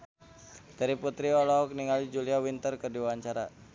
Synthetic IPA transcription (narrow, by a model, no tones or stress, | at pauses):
d̥aɾiput̪ɾiɔlɔɦɔk̚niŋalid͡ʒuliawint̪ərkərdiwaɲt͡ʃaɾa